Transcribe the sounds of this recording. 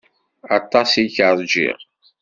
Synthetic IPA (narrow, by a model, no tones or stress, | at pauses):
ɑt̪ˤːɑsiçəɾˤd͡ʒḭʁ